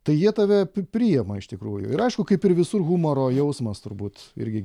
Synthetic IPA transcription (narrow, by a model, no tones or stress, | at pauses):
t̪ɐɪjiɛt̪ɑʋʲɛpʲɾʲiːjɛmɐɪʃt̪ʲɪkɾuːjʊ̰ɪɾɐɪʃkʊkɐɪpɪɾʋʲɪsʊrɣumoɾoːjɛʊsmɐst̪ʊɾbuːt̪ɪ̰ɾʲɡʲɪ